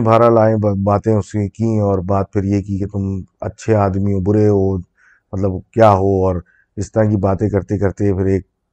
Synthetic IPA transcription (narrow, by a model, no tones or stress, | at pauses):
bʱaːɾalaːẽbaːt̪ẽʊsekĩɦɛ̃ɔːɾbaːd̪̚pʰɪɾjekiket̪ʊmɐ̰tːʃʰeaːd̪miõbʊɾeɦo | mɐt̪ləbkjaːɦoɔːɾ | ɪst̪ɐɾãk̬ibaːt̪ẽkɐɾt̪ẽkɐɾt̪eɦɛ̃pʰɪɾeːk̚